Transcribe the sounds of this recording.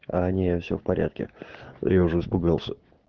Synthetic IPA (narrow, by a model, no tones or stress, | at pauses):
anʲefsʲo̰fpɐɾʲʔa̰t̪̚kʲɪ̰jaʊʐəɨspɨɡalˠsʲə